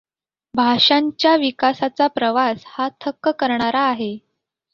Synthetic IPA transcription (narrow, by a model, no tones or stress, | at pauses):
bʱaʂaɲt͡ɕjaʋikasat͡sapɾəʋashat̪ʰəkːəkəɾɳaɾaːɦe